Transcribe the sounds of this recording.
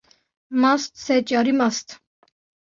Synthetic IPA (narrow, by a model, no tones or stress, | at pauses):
mast̪ʰsɛt͡ʃʼaɾimast̪ʰ